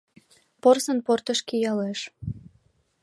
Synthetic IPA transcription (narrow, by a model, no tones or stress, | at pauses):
porsənport̪əʃkijɑleʃ